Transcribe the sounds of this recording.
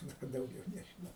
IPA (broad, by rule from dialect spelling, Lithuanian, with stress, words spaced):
ˈnʊ kɐ dɐʊˈɡʲɛʊ nʲɛʒʲɪˈnɐʊ